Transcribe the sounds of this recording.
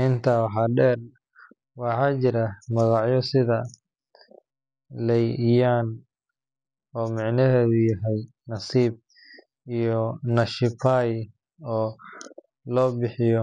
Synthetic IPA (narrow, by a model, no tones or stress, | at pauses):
ʔɪnt̪ʰawɑħɑɖɛːr | wɑħɑːt͡ʃɪɾɐmɐɣɑʕjɔsɪðɐ | lɛjjaːn | ɔːmɪʕnɐɦɛːðʊjɐɦɛj | nɐsiːb̚ | ijɔnɐʃɪpʰaj | ɔː | lɔːbɪħɪjɔ